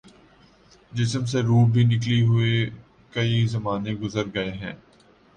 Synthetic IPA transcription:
d͡ʒɪsms̬eɾuːbʱinɪk̬liɦʊe | kɐizɐmaːnẽɡʊzəɾɡɐeɦɛ̰̃ː

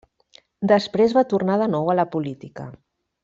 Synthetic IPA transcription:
d̪əspɾezβat̪urnaðənɔwələpulit̪ikə̰

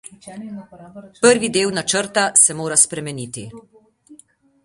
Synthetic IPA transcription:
pəɾʋid̪eːwnat͡ʃəɾt̪asɛmoːɾaspɾɛmɛnit̪i

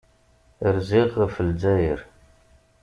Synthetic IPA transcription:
əɾziʁəfəld͡zæjəɾ

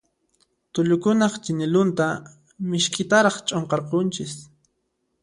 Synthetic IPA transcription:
t̪ʊʎʊkʊnɑχt͡ʃɪnɪlʊnt̪a | mɪʃkʼɪt̪aɾɑχt͡ʃʼoɴqɑɾqont͡ʃɪs

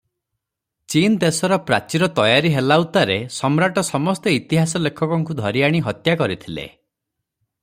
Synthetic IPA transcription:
t͡ʃind̪esɔɾɔpɾa̰t͡ʃiɾɔt̪ɔjaɾiɦelawt̪aɾesɔmɾaʈɔsɔmɔst̪ɔit̪iɦasɔlekʰɔkɔŋkud̪ʱɔɾiaɽ̃iɦɔt̪jakɔɾit̪ʰilḛ

